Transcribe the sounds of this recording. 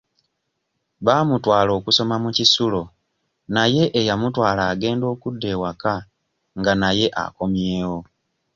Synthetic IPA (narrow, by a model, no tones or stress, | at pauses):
βaːmutwaːlo̞ːkuso̞mamucisulo̞ | naje̞ʔejamutwaːlaːɡe̞ːndo̞ːkudːe̞waka | ŋɡanaje̞ʔa̰ko̞mje̞ːwo̞